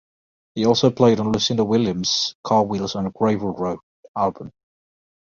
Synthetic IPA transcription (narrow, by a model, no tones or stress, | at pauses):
hiɔˑlˠsoʊpʰl̥eɪɾ̃n̩lʉsɪ̃ndəwɪljə̃mz̥kʰɑːwiːlˠzə̃nɡ̥ɹeɪvəlɹoʊ | alˠbə̃m